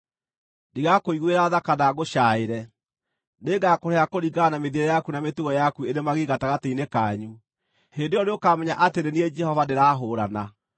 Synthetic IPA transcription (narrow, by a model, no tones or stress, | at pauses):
niɣakoiɣweɾaðakanaɣoʃaːeɾɛ | neŋɡakoɾeakoɾiɡanameðieɾɛjakunametuɣɔjakueɾemaɣiɣataɣateinekaɲu | hendeɔneokaːmɛɲaʔateɾenied͡ʒɛhɔvaneɾaɦoɾana